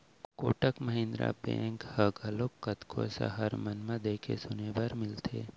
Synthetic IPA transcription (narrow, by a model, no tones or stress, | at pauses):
koːʈəkməɦẽnd̪ɾa̰pḛ̃ːŋkhɐɡʱɐlokːət̪kʰo̰sa̰ɦɐɾmɐnmãd̪eːkʰḛsʊnebaɾmɪlt̪ʰḛː